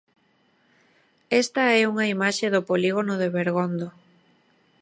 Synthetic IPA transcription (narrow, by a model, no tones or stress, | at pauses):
ɛst̪ɐɛuŋɐimaʃeðʊpoliɣonoðeβeɾɣond̪o